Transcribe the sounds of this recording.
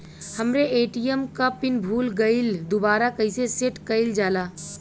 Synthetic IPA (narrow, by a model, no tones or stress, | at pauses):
hɐmɾeeːʈijəmkapɪnbʱuːlɡɐɪld̪ʊbaːɾakɐiseseʈkɐɪld͡ʒaːlaː